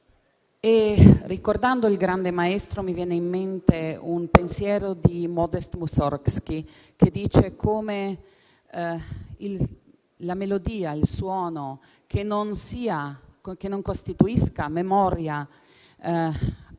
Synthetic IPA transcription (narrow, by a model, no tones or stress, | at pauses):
erikord̪and̪oilɡɾand̪emaest̪ɾomivjɛːneimːent̪eunpensjɛːɾod̪imɔd̪est̪musɔrkskiked̪iːt͡ʃekʰoːme | il | lamelod̪iːailswɔːno | kʰenonsiːakenoŋkost̪it̪uiskamemɔɾja